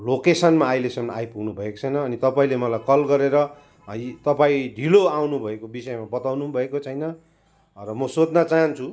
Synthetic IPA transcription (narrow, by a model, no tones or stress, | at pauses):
lokesʌnmaːjlesʌmnajpuɡnubʱʌeko̥t͡sʰʌjnʌːnit̪ʌpaĩlemʌlajkʌlɡʌɾeɾʌ | t̪ʌpaĩɖʱiloawnubʱʌekobisʌemabʌt̪awnubʱʌekot͡sʰʌjnʌ | rʌmʌsod͡znʌt͡saɦʌnt͡sʰu